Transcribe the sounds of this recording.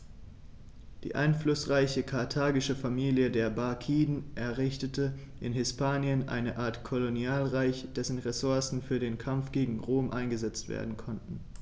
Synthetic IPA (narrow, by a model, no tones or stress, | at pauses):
d̥ḭːʔa̰ɪnflʊsʁaɪçəkʰaɐtʰaːɡɪʃəfamiːljədeːɐbakʰiːdn̩ʔɛɐʁɪçtətʰə | ʔɪ̰nɦɪspʰaːnjənʔa̰ɪnəʔaːɐtkʰolonjaːlʁaɪçd̥ɛsn̩ʁesʊɐsn̩fyːɐdeːnkʰamfɡ̥eːɡŋ̩ʁoːmʔa̰ɪnɡəzɛt͡stv̥ḛːɐdn̩kʰɔntn̩